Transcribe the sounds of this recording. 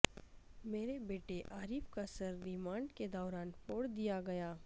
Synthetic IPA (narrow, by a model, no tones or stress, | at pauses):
meːɾebeːʈeʔaːɾiːfkasɐɾːɪmãːɳɖked̪ɔːɾaːnpoːɽd̪ijaɡɐjaː